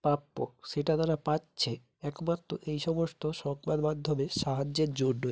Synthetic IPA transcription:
papːoʃeʈad̪aɾapatɕʰe | ɛkmat̪ːɾoʔejʃɔmost̪oʃɔŋkbad̪mad̪ʱːomeʃaɦad͡ʑeɾd͡ʑoɖːoe

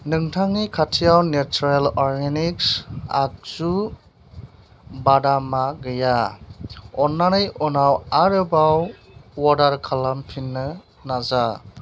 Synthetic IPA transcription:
nɯŋtʰaŋikʰatʰijawnet͡ʃuɾelɔɾɡeniksa̰k̚z̥u | badamaɡɯja | ɔnːanɯjʔɔnawaɾɯbawː | ɔdaɾkʰalampʰinːɯ | naza

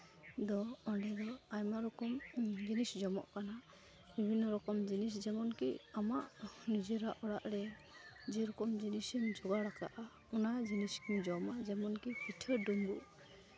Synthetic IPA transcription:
d̪ɔɔnɖɛd̪ɔajmaɾɔkɔmd͡ʒinisd͡ʒɔmɔ̰ʔkana | bibʱinːɔɾɔkɔmd͡ʒinisd͡ʒɛmɔnkḭamaʔnid͡ʒɛɾaʔɔɽaʔɾɛ | d͡ʒɛɾɔkɔmd͡ʒinisɛmd͡ʒɔɡaɽaka̰ʔa | unad͡ʒiniskid͡ʒɔmaʔd͡ʒɛmɔnkipitʰɛɾdunbu

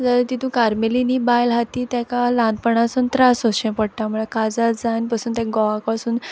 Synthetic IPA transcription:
d͡zalət̪it̪ʰũkaɾmelinibajlɦat̪iːt̪jakalãnd̪̚pəɳasuːnt̪ɾasoɕɛ̃pəɽʈamuɭakad͡zatd͡zanpasuːnt̪ãɡɔʋakpasuːn

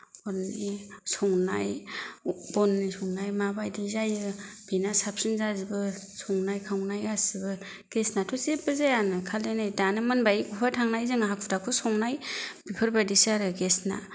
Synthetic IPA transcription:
ɔɾnisɔŋnaj | bɔnːisɔŋnajmabajdizajɯb̥inasap̚sinzazibɯsɔŋnajkʰawnajasibɯ | ɡ̥esnatʰɔsebɯzajanɯkʰalenajdanɯmɯnbajikupʰatʰaŋnajzɯŋaɦakʰutakʰusɔŋnajb̥ipʰɯɾbadisaɾɯɡesna̰

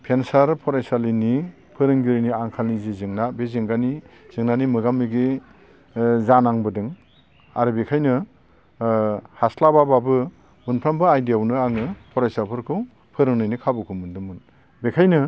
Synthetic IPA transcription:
pʰensaɾpʰɔɾajsalini | pʰɯɾɯŋɡiɾiniaŋkʰalnizizɯŋnabezɯŋɡani | z̥ɯŋnanimɯɡamːiɡe | zanaŋbɯdɯŋ | aɾɯbekʰajnɯ | haslabababɯ | munpʰɾambɯajdijawnɯaŋɯpʰɔɾajsapʰɯɾkʰɯw | pʰɯɾɯŋnɯjnikʰabɯkʰumɯndɯmɯn | bekʰajnɯ

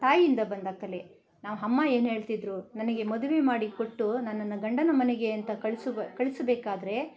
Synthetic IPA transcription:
t̪aːjiind̪ɐbɐnd̪aːkɐle | naːʋuɦɐmːae̞ːnɦe̞ːɭt̪id̪ɾunɐnɐɡe̞mod̪uʋemaːɽikoʈːunɐnːɐnːɐɡɐɳɖɐnɐmɐneɡe̞ɐnt̪ɐkɐɭskɐɭisɐbeːkaːd̪ɐɾe̞

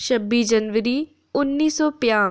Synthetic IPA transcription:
ʃəbːiːd͡ʒənʋəɾiː | ʊnːiːsɔːpɪjãː

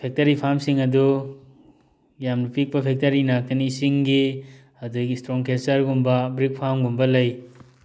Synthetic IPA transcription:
pʰek̚tɐɾipʰamsiŋɐdu | jamɾupik̚pɐpʰek̚tɐɾinak̚tɐnisiŋɡi | ɐduɡistɾoŋkesɐɾɡumbɐbɾik̚pʰamɡumbɐlɐj

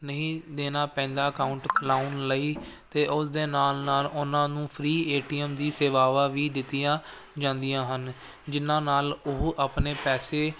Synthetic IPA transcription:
nəĩːd̪eːnaːpɛ̃ːnd̪aːəkaːʊɳʈlaːʊnləiːt̪eːʔʊsd̪eːnaːlnaːlʊnãːnũːpʰɾiːeːʈiːəmd̪iːseːʋaːʋaːʋiːd̪ɪt̪ːɪjãː | d͡ʒãːnd̪ɪjãːɦən | d͡ʒɪnãːnaːlʊɦʔapneːpɛːseː

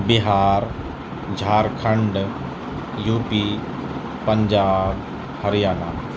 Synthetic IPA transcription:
bɪɦaːɾ | d͡ʒʱaːɾkʰə̃ɳɖ | juːpi | pɐɲd͡ʒaːb | hɐɾɪjaːna

